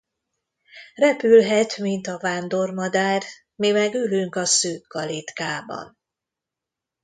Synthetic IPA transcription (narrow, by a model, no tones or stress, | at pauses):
rɛpylɦɛt̪mint̪ɒvaːnd̪o̞rmɒd̪aːr | mimɛɡylyŋkɒsøːkɒlit̪kaːbɒ̰n